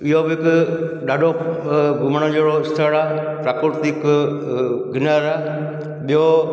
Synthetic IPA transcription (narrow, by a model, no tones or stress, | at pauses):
ɪɦobɪɪkɗaːɖʱoɡʊmɽ̃õd͡ʒeɽoɪst̪ʰəɽaːpɾaːkɾɪɾt̪ik | ɡɪnəɾaː | ɓijo